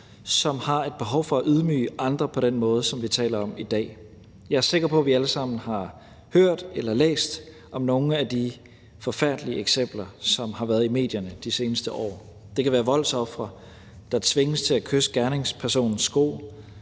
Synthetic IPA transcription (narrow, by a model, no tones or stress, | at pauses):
sɒ̽mhɑ̈e̝d̥̚b̥e̝ɦɒ̽ʊfɒ̽æʔyðˠmy̰ːəʔɑ̈nd̥ʁɐpʰɒ̽ɾ̥enmɔ̽ːð̞ˠəsɒ̽mʋit͡sʰɛ̰ːlɐɒ̽mid̥ɛ̰ː | jɑ̈æɐse̝ɡ̥ɐpʰɒ̽ʋiæləsɑ̈m̰n̩hɑ̈ | høɐ̰d̥elɐlḛːsd̥ | ʔɒ̽mno̝ːn̩æd̥i | fɒ̽fæɐ̰d̥liəeɡ̥sem̰b̥lɐsɒ̽mhɑ̈ʋæːɐðˠime̝̰ːd̥jɐnəd̥ise̝ːnəsd̥əʔɒ̰ː | d̥e̝kʰæʋæːɐʋɒ̽l̰sɒ̽fʁɐ | d̥ɑ̈t͡sʰʋe̝ŋəst͡sʰe̝lækʰøsə̥ɡ̥æɐne̝ŋspʰæɐso̝̰ːnn̩sɡ̥o̝̰ː